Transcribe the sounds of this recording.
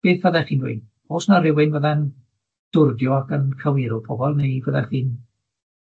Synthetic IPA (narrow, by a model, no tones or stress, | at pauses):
b̥eːθvəðɛχiːnwɪ̰n | oːsnarɪwɪnvəðɛn | d̥ʊrɡjɔakənkʰəwɪɾʊpʰɔbɔlˠnejvəðɛχiːn